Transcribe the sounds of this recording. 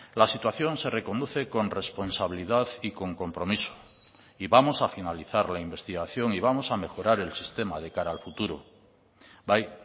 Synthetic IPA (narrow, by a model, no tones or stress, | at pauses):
lasit̪waθjo̞nse̞re̞ko̞nd̪uθe̞ko̞nre̞spo̞nsaβiliðaðiko̞ŋko̞mpɾo̞miso̥ | iβamo̞safinaliθaɾlaimbe̞st̪iɣaθjo̞ŋiβ̞amo̞same̞xo̞ɾaɾe̞lsist̪e̞mað̞e̞kaɾaːlfut̪uɾo̰ | baj